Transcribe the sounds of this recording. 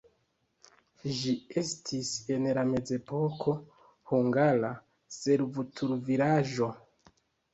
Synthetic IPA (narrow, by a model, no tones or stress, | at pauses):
ʒie̞stʰise̞nlame̞d͡ze̞po̞kʰo̞ | huŋɡala | se̞ɾvutʰuɾvilaʒo̞